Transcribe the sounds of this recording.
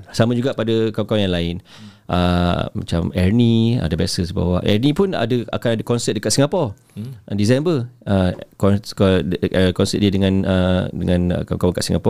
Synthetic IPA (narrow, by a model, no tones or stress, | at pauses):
samãd͡ʒuɡaʔpadakawkawajaŋlaɪn | ʔəma̰t͡ʃamɛrnia̰dabasəsba̰waʔɛ̰rnipʊna̰dəa̰kanadakɔnsɛt̚dəkat̪̚siŋapɔ | disɛmbəəkɔkəkɔnsɛ̰t̪̚diədəŋãnədəŋãnə̰kawkawaŋkaʔsiŋapɔ